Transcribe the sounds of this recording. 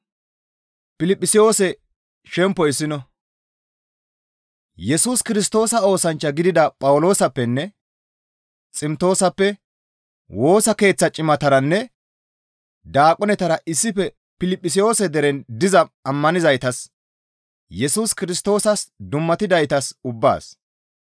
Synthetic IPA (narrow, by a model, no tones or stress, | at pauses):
pɪlɪpʼːɪsɪjo̞ːsɛ | ʃɛmpːɔɪsːɪnɔ | jɛsuskɪɾɪs̬t̪o̞ːsɐo̞ːsɐnt͡ʃːɐɡɪd̪ɪd̪ɐpʼɐwʊlo̞ːsɐpːɛnːɛ | t͡sʼɪmt̪o̞ːsɐpːɛ | wo̞ːsɐke̞ːt͡sːɐt͡ʃʼɪmɐt̪ɐɾɐnːɛ | d̪aːkʼɔnɛt̪ɐɾɐʔɪsːɪfɛ | pɪlɪpʼːɪsɪjo̞ːsɛd̪ɛɾɛnd̪ɪzɐɐmːɐnɪzɐjt̪ɐs | jɛsuskɪɾɪst̪ːo̞ːsɐsd̪ʊmːɐt̪ɪd̪ɐjt̪ɐsʊbːa̰ːs